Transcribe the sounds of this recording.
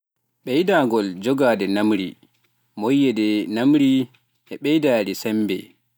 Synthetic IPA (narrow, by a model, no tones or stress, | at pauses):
ɓɛjdaːɡɔld͡ʒɔɡaːdɛnamɾḭ | mojːɛdɛnamɾi | ʔɛɓɛjdaːdɛsɛmbɛ̰